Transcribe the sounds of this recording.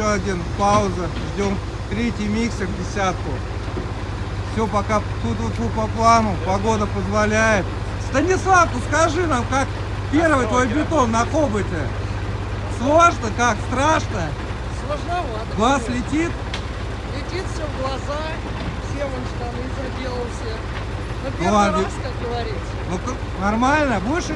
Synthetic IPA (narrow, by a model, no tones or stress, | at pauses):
oɐdʲinpaʊzəʐdʲom | t̪ɾʲetʲɪjmʲiksəkvdʲɪsʲat̪kʊ | fsʲopɐkat̪ut̪vot̪vopɐplˠanʊpɐɡo̞d̪əpəzvɐlʲæjɪt̪̚ | st̪ənʲɪslˠafkʊskɐʐɨnamkak | pʲe̞rvɨjt̪vɐjbʲɪt̪o̞nːɐkobətʲɪ | slˠoʐnəkakst̪ɾaʂnə | slˠəʐnɐvaɡlˠaslʲɪtʲit̪ | lʲɪtʲit̪fsʲovɡlˠɐza | fsʲevɐmʂt̪ɐnɨzʲɐdʲelˠəlˠsʲə | nɐpʲlˠaɡɪaskak̚ɡəvɐɾʲit̪sənok | nɐrmalʲnəvɨʂɨ